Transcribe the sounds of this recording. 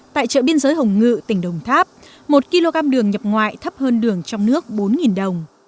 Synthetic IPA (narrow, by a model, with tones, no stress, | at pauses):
t̪a̰ː˧˨jt͡ɕə̰ː˧˨ɓi˧ənzəː˨˦jɦə˨˩wŋ͡mŋɨ̰˧˨t̪ï˧˩ŋ̟ɗə˨˩wŋ͡mt̪ʰaː˦˥p̚ | mo˨˩t̚ki˧lo˧ɣaː˧mɗɨ˨˩əŋɲə˨˩p̚ŋwa̰ː˧˨jt̪ʰə˦˥p̚həː˧nɗɨ˨˩əŋt͡ɕɔ˧wŋ͡mnɨ˦˥ək̚ɓo˨˦nŋi˨˩nɗə˨˩wŋ͡m